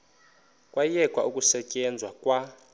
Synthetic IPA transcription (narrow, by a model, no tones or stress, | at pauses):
kʼwajɛkʼwa̰ʔukʼusɛcʼɛnd͡zʱwakʼwa